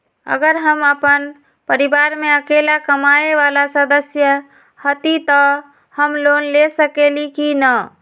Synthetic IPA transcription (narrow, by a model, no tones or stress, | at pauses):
ə̰ɡəɾɦəməpən | pəɾibaɾmeəkelakəmaeʋalasəd̪əsjə | hət̪it̪ɔ | həmlonlesəkelikinə